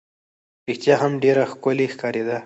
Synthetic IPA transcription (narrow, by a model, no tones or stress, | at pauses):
ɾixt̪jɑɦamɖeɾaxkʊlexkɑɾed̪a